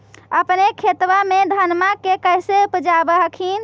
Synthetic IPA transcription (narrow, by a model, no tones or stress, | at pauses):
əpnekʰet̪ʋamed̪ʱənmakekəjseupd͡ʒabəɦəkʰin̆